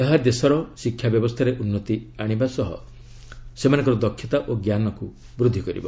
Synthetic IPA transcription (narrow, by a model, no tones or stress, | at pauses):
eɦad̪esɔɾɔsikʰːjabjɔbɔst̪ʰaɾeʔunːɔt̪iaɽ̃ibasɔɦɔ̰ | semanɔ̃ŋkɔɾɔd̪ɔkʰːjɔt̪aʔoɡjanɔku | bɾud̪ʱːikɔɾḭbɔ̰